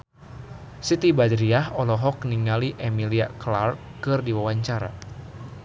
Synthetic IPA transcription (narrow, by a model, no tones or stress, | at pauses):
sit̪ibadɾiaɦɔlɔɦɔk̚niŋaliʔemiliaklarkɨrdiwawaɲt͡ʃaɾa̰